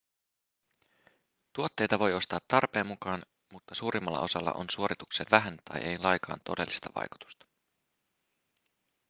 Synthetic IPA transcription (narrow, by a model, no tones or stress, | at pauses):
t̪uot̪ːe̞jt̪ɑʋo̞jo̞st̪ɑːt̪ːɑrpe̞ːmːukɑːn | mut̪ːɑsuːɾimːɑlːɑ̰ʔo̞sɑlːɑ̰ʔo̞̰nsuoɾit̪ukseʋʋæɦænt̪ɑ̰jʔejlɑjkʰɑ̰ːnt̪o̞de̞lːist̪ɑʋɑ̰jku̥t̪u̥st̪ɑ̥